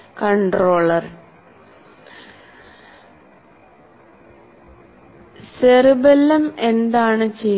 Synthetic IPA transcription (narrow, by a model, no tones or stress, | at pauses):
kɐɳɖroːɭɐr | serubɐlːɐme̞nd̪aːɳɨt͡ɕej